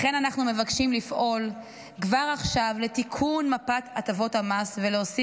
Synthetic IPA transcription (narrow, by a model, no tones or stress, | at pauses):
χe̞nanaχnume̞vakʃimlifʔo̞l | kvaʁaχʃavle̞tikʰunmapatatavo̞thamasveleosi